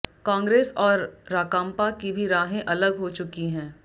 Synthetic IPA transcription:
kãːŋɡɾeːsɔːɾːaːkãːmpakibʱiɾaːɦẽʔɐləɡɦot͡ʃʊkiɦɛ̃ː

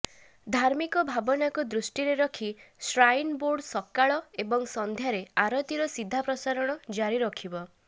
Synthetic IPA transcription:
d̪ʱaɾmikɔbʱabɔnakud̪ɾusʈiɾeɾɔkʰisɾajnboɾɖsɔkːaɭɔebɔŋsɔnd̪ʱjaɾeaɾɔt̪iɾɔsid̪ʱːapɾɔsaɾɔɽ̃ɔd͡ʒaɾiɾɔkʰibɔ

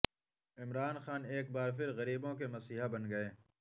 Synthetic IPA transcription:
ɪmɾaːnxaːneːk̚baːɾp̬ɪɾɣɐɾiːbõk̬emɐsiːɦabɐnɡɐeː

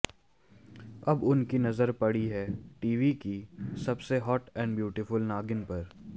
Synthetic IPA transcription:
ɐbʊnkinɐzəɾpɐɽiɦɛːʈiːʋikisɐbseɦɔːʈɛ̃ːɳɖbjuːʈɪfʊlnaːɡɪnpɐɾ

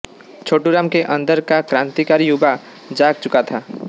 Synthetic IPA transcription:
t͡ʃʰoːʈuɾaːmkeʔə̃nd̪əɾkakɾãnt̪ikaɾijuba | d͡ʒaɡ̚t͡ʃʊkat̪ʰa

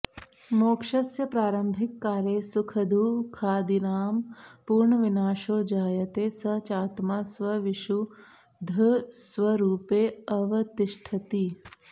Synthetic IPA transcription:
moːkʂɐsjɐpɾaːɾɐmbʱikːaːɾjeːsukʰɐd̪ʱuːkʰaːd̪inaːmpuːɾɳɐʋinaːʃoːd͡ʒaːjɐt̪eːsɐt͡ʃaːt̪maːsʋɐʋiʃu | d̪ʱɐsʋɐɾuːpeːɐʋɐt̪iʃʈʰɐt̪i

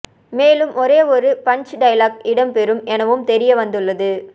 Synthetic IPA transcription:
meːlɯmʔɔɾeːɔɾɯpɐɲt͡ʃɖɐjlaːkɪɽɐmpɛɾɯmɛnɐʋɯmt̪ɛɾɪjɐʋɐnd̪ɯɭːɐðɯ

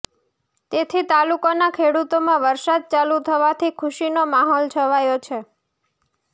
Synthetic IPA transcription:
t̪et̪ʰit̪alukanakʰeɽut̪omãʋəɾsad̪̚t͡ʃalut̪ʰəʋat̪ʰikʰʊʃinomaɦɔlt͡ʃʰəʋajot͡ʃʰe

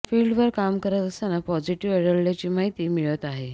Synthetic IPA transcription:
fiɭɖʋəɾkamkəɾət̪əsanapɔd͡ʑiʈiʋɛɽəɭljat͡ɕiːmaɦit̪iːmiɭət̪aɦe

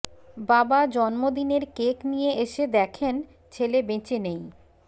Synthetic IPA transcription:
babad͡ʑɔnmod̪ineɾkeknijeʔeʃed̪ɛkʰen | t͡ɕʰelebet͡ɕenej

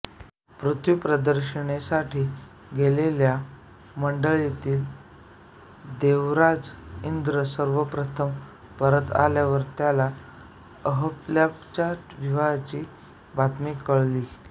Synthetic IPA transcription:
pɾut̪ʰjupɾəd̪əɾɕəɳ̃esaʈʰiː | ɡelelja | məɳɖəɭit̪iːl | d̪eʋɾad͡zind̪ɾəsəɾʋəpɾət̪ʰəm | pəɾət̪a̰ljaʋəɾt̪jala | əɦəpljapt͡ɕaʈʋiʋat͡ɕiː | bat̪mikəɭliː

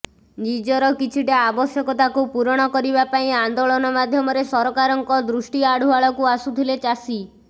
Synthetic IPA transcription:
d͡ʒid͡ʒɔɾɔkit͡ʃʰiʈaabɔsjɔkɔt̪akupuɾɔɽ̃ɔkɔɾibapaĩand̪oɭɔnɔmad̪ʱjɔmɔɾesɔɾɔkaɾɔŋkɔd̪ɾusʈiaɽ̤ʱuaɭɔkuasut̪ʰilet͡ʃasi

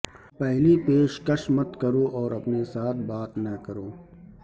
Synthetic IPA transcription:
pɛɦlipeːʃkɐʃmɐt̪kɐɾoʔɔːɾɐpnesaːt̪ʰbaːt̪nɐkɐɾoː

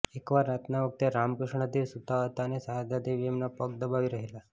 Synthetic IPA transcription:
ekʋaɾːat̪naʋək̚t̪eɾamkɾəʂɳəd̪eʋsut̪aɦət̪anesəɦad̪ad̪eʋijemnapəkd̪əbaʋiɾəɦela

